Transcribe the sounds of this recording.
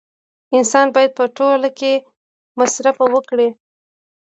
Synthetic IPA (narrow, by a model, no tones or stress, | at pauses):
ɪnsɑnbɑjad̪̚pəʈolake | masɾafawəkɽe